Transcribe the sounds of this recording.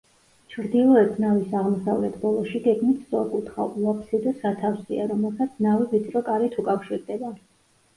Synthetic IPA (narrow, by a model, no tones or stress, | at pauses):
t͡ʃʰɾd̪ilˠɔɛt̪ʰnavisaʁmɔsavlɛt̪ʰbɔlˠɔʃiɡɛɡmit̪ʰsɔkʼut̪ʰχa̰ulapʰsɛd̪ɔsat̪ʰafsiaɾɔmɛlˠsat̪sʰnavivit̪sʼɾɔkʼaɾɛt̪ʰukʼafʃiɾd̪ɛba